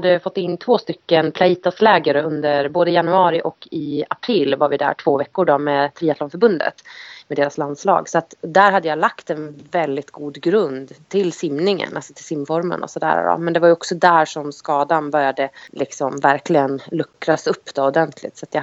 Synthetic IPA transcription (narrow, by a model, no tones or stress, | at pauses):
d̪ːəfɔt̪ːɪnːt̪ʰvoːst̪ʏkːənpʰlaiːt̪aslɛːɡaɾəɵnd̪əɾboːd̪əjanɵɑːɾɪʔɔkːɪapʰɾɪlːvaɾvɪd̪æ̰ːʈʰv̥oːvɛkːʊɖɔmeːt̪ʰɾiːat̪lɔnfœɾbɵnd̪ə̰t̪mɛd̪eːɾasland̪slɑ̰ːɡsɔat̪d̪æɾɦad̪ːəjalakt̪ɛnvɛld̪ɪt̪ɡuːd̪ɡɾɵnd̪t̪ʰɪlsɪmnɪŋə̰na̰lsɔ̥t̪ʰɪlsɪmːfɔɾmə̰nɔ̰sɔd̪æ̰ːɾ̰ɾɔ̰mɛnd̪ɛvaɾjɔksɔd̪æːʂɔmskɑːd̪anbœɾjad̪əlʔɪksɔmvæɾklɪɡənlɵkːɾasɵpːd̪̥ɔɔd̪ɛnt̪ʰlɪ̰t̪sɔat̪ja